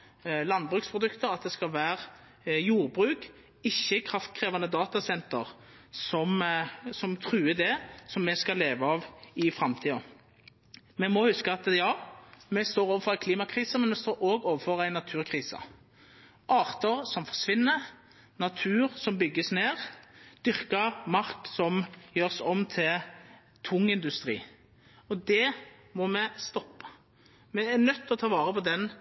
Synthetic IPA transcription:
lɑnd̪̚bʁʉːkspʰɾʊd̪ʉkt̪əʁɑt̪̚d̪ɛskɑlʋæːʁ | juːʁbʁʉːk | ɪçːəkʰɾɑft̪̚kʰɾeːʋɑnəd̪ɑːt̪ɑsɛnt̪ə̰ʁ | sɔmsɔmt̪ʰʁʉːəd̪ɛsɔmːɛskɑleːʋəɑːʋɪfʁɑmt̪ʰiːɔ | mɛmɔhʉskəɑt̪jɑːmɛst̪oːɾoːʋəfɔʁæɪkʰliːmɑkʰʁiːsəmɛnmɛst̪oːɾoːɡoːʋəfɔʁæɪnːɑt̪ʰʉːʁkʰʁiːsə̰ | ʔɑːʁt̪əʁsɔmfɔʁʂʋɪnːə | nɑt̪ʰʉːʁsɔmbʏɡːəsneːʁd̪̥ʏʁkəmɑʁksɔmjøːʁsɔmt̪ʰɪl | t̪ʰʊŋːɪnd̪ʉst̪ɾḭː | ɔd̪ɛ | mɔmɛst̪ɔpːə̥ | mɛænœt̪ːɔt̪ʰɑːʋɑːʁəpɔd̪ɛn

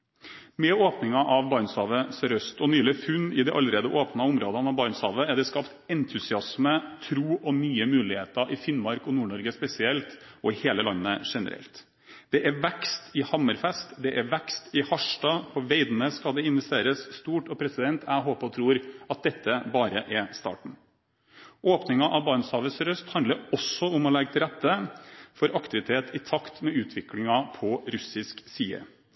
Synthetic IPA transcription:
mɛoːpnɪŋɑʔɑʋbɑɾnsɑːʋəsɾœst̪ɔnyːlɪfʉnːɪd̪ɛʔɑlɾeːd̪əʔoːpnɑʊmɾoːd̪ɑnɑʋbɑɾnsɑːʋəæɖɛskɑpt̪ɛnt̪ʰʉsɪɑsmət̪ʰɾuːʔɔnyːəmʉːlɪheːt̪əɾʔɪfɪnmɑɾkɔnuːɳɔɾɡəspɛsɪɛlt̪ɔɪheːləlɑnːəʂɛnə̰ɾɛ̰lt̪ | d̪̥ɛʔæʋækst̪ɪhɑməɾfɛst̪d̪ɛʔæʋækst̪ɪhɑʂʈɑːpʰɔʋeɪd̪nəskɑld̪ɛɪnʋɛst̪eːɾəsst̪uːʈɔpʰɾɛsɪd̪ɛnt̪ʰæɦoːpɔt̪ʰɾuːɾɑt̪̚d̪ɛt̪ʰːəbɑːɾəʔɛst̪ɑ̰ːʈɳ̩ | oːpnɪŋɑʔɑʋbɑːnsɑːʋəsɾœst̪hɑnd̪əɾɔsːɔʊmɔlɛɡt̪ʰɪlɾɛt̪ːəfɔɾʔɑkt̪ɪʋɪt̪ʰeːt̪ʰɪt̪ʰɑkt̪mɛʉːt̪ʰʋɪklɪŋɑpʰɔɾʉsɪsksiːə̰

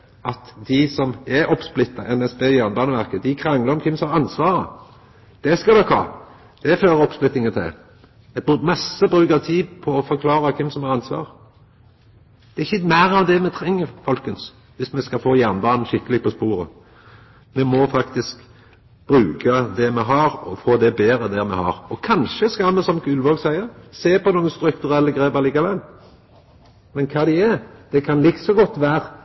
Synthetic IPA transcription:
ʔɑt̪d̪ɪsɔmɛʔɔpsplɪt̪ːɑʔɛnɛsbeːɪjæʁnəbɑːnəʋæʁkəd̪ɪkʰɾɑŋləɾɔmkʰɪmsɔmhɑɾɑnsʋɑːɾə̰ | d̪̥ɛskɑd̪ɔkhɑ̰ː | d̪̥ɛføːɾəɔpsplɪt̪ːɪŋət̪ʰɪ̰ | mɛmɑsːəbʁʉːkət̪ʰiːpʰɔɔfɔʁkʰlɑːɾɑkʰɪmsɔmhɑɾʁɑnsʋɑ̰ːʁ | d̪̥ɛɪçːəmæːɾɑʋd̪ɛmɛt̪ʰɾɛŋːəɾfɔlkəns | ʋɪsmɛskɑfoːjæʁnbɑːnn̩ʃɪkːəlɪɡ̚pɔspuːɾə̰ | mɛmɔfɑkt̪ɪsk | b̥ɾʉːkəd̪ɛmɛɦɑɾɔfoːd̪ɛbeːɾəd̪æʁmɛ̰hɑ̰ʁɔkʰɑnʃəskɑlmɛsɔmɡʉlʋoːɡsæɪəʁseːpʰɔnuːəst̪ɾʉkt̪ʉɾɛlːəɡʁeːbəʁliːkɑʋɛlː | mɛnkʰɑːd̪ɪæɾd̪̥ɛkʰɑnlɪksɔɡɔt̪ːʋæːɾ

